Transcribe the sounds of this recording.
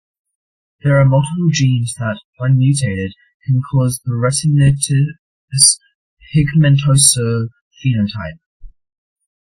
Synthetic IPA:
ðəɹəmʌlˠtʰəpəlˠd͡ʒĩːnzðətwʌ̃nmjʉˑtʰeɪɾɪd̚ | kʰə̃nkʰɔːzðəɹɛs | s | hɪɡmɛ̃ntʰoʊsəː | fiːnə̃ntʰa̰ɪp̚

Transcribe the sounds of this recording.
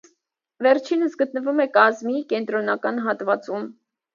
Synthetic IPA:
vɛɾt͡ʃʰinəsɡət̪nəvumɛkɑzmikɛnt̪ɾɔnɑkɑnɦɑt̪vɑt͡sum

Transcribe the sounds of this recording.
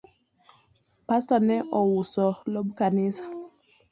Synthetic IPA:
pasanɛʔɔwusɔlɔɓkanisḁ

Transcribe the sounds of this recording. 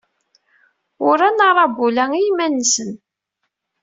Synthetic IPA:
ʊɾænɑɾˤɑbulæŋijmænːsən

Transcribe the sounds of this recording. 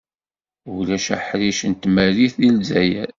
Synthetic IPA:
ulæʃæħɾiʃənt̪mæliθðilzæjæ

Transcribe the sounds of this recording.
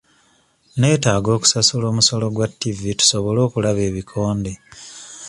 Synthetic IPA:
ne̞ːtaːɡo̞ːku̥sasulo̞ːmuso̞lo̞ɡwatːivitu̥soβo̞lo̞ːkulaβe̞ːβikʰo̞ːnde

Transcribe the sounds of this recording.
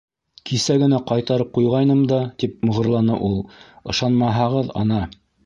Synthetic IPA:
kʰisæɡɘ̆næqɑjt̪ɑɾɤp̚qujʁɑjnɤmd̪ɑt̪ip̚mŏʁɤ̆ɾlˠɑnɤʔulˠ | ɤ̆ʃɑnmɑɦɑʁɤðɑ̰nɑ

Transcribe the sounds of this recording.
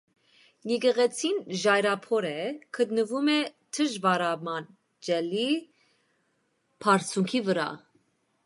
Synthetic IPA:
niɡəʁɛt͡sʰinʒɑjɾɑpʰɔɾɛkʰət̪nəvumɛt̪ʰəʒbɑɾɑmɑn | d͡ʒɛli | pʰɑɾt͡sʰuŋkʰivəɾɑ̰

